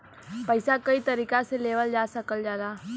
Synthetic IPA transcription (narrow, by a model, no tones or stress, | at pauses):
pəɪsakəit̪əɾiːkaseleːʋəld͡ʒaːsəkəld͡ʒaːd̪aː